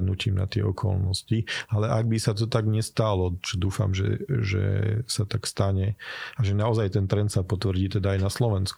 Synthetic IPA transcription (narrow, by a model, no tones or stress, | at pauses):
d̪nuciːmna̰t̪ɪɛ̰ɔkʰɔ̰lnɔscialɛʔaɡ̚bisat̪̬ɔt̪aɡɲɛst̪alɔt͡ʃɛd̪uːfa̰mʒɛ̰ʒɛ̰sat̪akst̪aɲɛaʒɛnaɔzajt̪ɛnt̪ɾɛnt̪sapɔt̪ʋɾɟiːt̪ɛd̪aːjnaslɔʋɛnsku